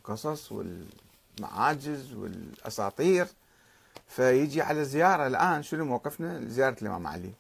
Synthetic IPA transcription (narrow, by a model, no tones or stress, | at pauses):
qɨsˤɑsˤwɪ̰l | ma̰ʕaːd͡ʒɪzwɪ̰lʔɑ̰sɑ̰ːt̪ˤiːɾ | fajɪd͡ʒiʕalazɪjɑːɾˤɑlʔaːnʃɪnumawqɨfnazɪjɑːɾˤɑlʔɪmʔa̰ːma̰ʕlḭ